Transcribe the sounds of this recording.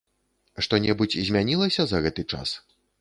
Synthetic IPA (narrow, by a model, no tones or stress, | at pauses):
ʂt̪ɔnʲɛbut͡sʲzʲmʲanʲilˠɐsʲɐzɐɣɛt̪ɨt͡ʂa̰s